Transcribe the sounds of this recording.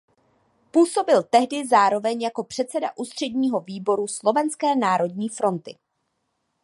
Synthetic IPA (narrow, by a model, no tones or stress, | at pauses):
puːso̞bɪlt̪ɛɦdɪzaːɾo̞vɛɲjako̞pr̥ɛt̪t͡sɛda̰ʔuːst̪r̝̥ɛdɲiːɦo̞viːbo̞ɾuslo̞vɛnskɛːnaːɾo̞dɲiːfɾo̞nt̪ɪ